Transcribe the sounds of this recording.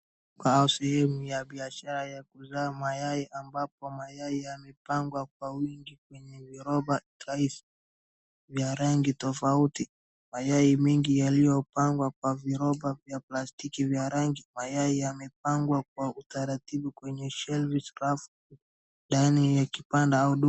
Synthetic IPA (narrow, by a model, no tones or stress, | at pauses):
kwausɛhɛmujaɓiaʃaɾajakuzaːmajaiʔambap̚ɔmajaiamɛpaŋɡwakwawiŋɡik̚wɛɲɛviɾɔba | aisi̥ | vjaɾaŋɡitɔfauti | majaimɛŋɡijalijɔpaŋɡwakwaviɾɔbavjaplastikivjaɾaŋɡimajaiamɛp̚aŋɡwak̚wautaɾatiɓukwɛɲɛʃɛlvisɾaf | ɗanijakipandauɗu